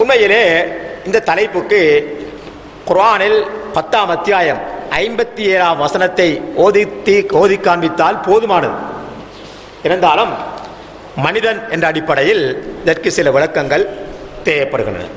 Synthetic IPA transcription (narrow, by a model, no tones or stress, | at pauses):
ʊnmɐjɪleːɪnd̪ɐt̪ːɐlɐɪpːɯkːɯ | kʊɾaːnɪlpɐt̪ːaːmɐt̪ːɪjaːjɐmɐɪmbɐt̪ːieːɾaːmʋɐsɐnɐt̪ːɐɪoːðt̪ːoːðɪkːaːɳbɪt̪ːaːlpoːðɯmaːnɐðɯ̰ | ɪnɐnd̪aːlɯmː | ɐnɪðɐnɛndrɐːɽɪpːɐɽɐjɪlɪðɐrkɯsɪlɐʋɪɻɐkːɐŋɡɐɭ | t̪eːʋɐpːɐɽɯɣɪndrɐ̰nɐ̰